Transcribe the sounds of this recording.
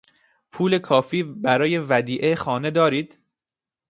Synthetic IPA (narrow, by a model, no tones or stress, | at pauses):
pʰuːle̞kʰɒːfiːbæɾɒːje̞væd̪iːʔexɒːne̞d̪ɒːɾiːd̪̥